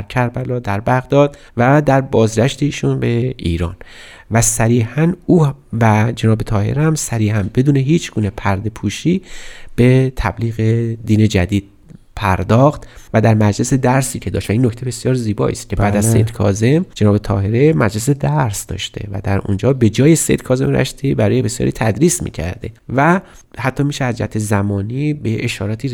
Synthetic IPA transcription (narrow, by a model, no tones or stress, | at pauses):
æɾcʰæɾbælɒːd̪æɾbæɣd̪ɒːd̪ | væd̪æɾbɒːzɡʲæʃt̪eiːʃunbe̞iːɾɒ̰ːn | væsæɾiːhænuːvæd͡ʒe̞nɒːbe̞t̪ʰɒːhe̞̰ɾæmsæɾiːhænbe̞d̪uːneɦiːt͡ʃʰɡ̥uːne̞pʰæɾd̪e̞pʰuːʃiːb̥e̞t̪ʰæ̰bliːɣe̞d̪iːne̞d͡ʒæd̪iːd̪̥̚ | pʰæɾd̪ɒːxt̪væd̪æɾmæd͡ʒle̞se̞d̪æɾsiːcʰe̞d̪ɒ̰ʃt̪væiːnːocʰt̪ʰe̞be̞sjɒːɾziːbɒ̰ːʔḭːst̪̚cʰebæːd̪æzːejd̪kʰɒ̰ːze̞md͡ʒenɒːbet̪ʰɒːɦe̞ɾe̞mæd͡ʒle̞s̬e̞d̪æɾsd̪ɒ̰ːʃt̪ʰḛvæ̰d̪æɾṵnd͡ʒɒːbe̞d͡ʒɒːjesḛjd̪̚kʰɒːze̞mɾæ̰ʃt̪ibæɾɒːjebe̞sjɒ̰ːɾiːt̪ʰæd̪ɾiːsmḭːcʰæ̰ɾd̪e̞̰væ | hæt̪ʰːɒːmiːʃeæzd͡ʒæ̰hæt̪ʰezæmɒːniːbeeʃɒːɾɒːt̪ʰiː